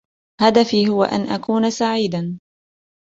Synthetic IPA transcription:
had̪afiːɦʊwa̰ʔa̰nʔakuːnasaʕiːd̪a

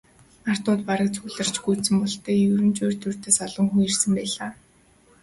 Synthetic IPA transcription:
ar̥t̪ʊːt̪̚paɾə̆k̚t͡sʰuɣɮə̆r̥t͡ɕɡuːsɘ̆mpɔɬt̪eːjɵɾɘ̆mt͡ɕʊːrt̪ʰɵr̥t̪eːsaɮɞ̆ŋxujirsɘ̆mpæːɮaː

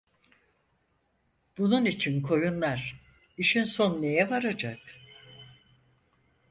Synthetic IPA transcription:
b̥ununit͡ʃʰinkʰo̞junlˠaɾ̥ | iʃinso̞nːe̞jɛvaɾad͡ʒak

